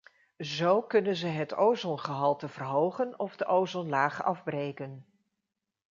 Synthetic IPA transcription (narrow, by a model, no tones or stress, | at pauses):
zowkɵnənzəɦətowzɔnχəɦɑlˠtəvərɦowχənɔvdəʔowzɔnlaːχɑvbrejkən